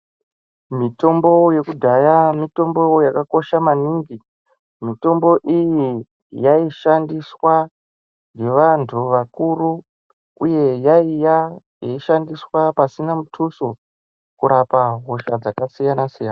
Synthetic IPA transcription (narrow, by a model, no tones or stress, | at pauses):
mito̞mbo̞je̞kudʱajamito̞mbo̞jakako̞ʃamaniːŋɡi | mito̞mbo̞ʔiji | jaiʃandiswa | nɡe̞ʋantʰuʋakuru | uje̞jaija | jaiʃandiswapasinamutʰuso | kuɾapaɦoʃad͡zakasijanasijaːna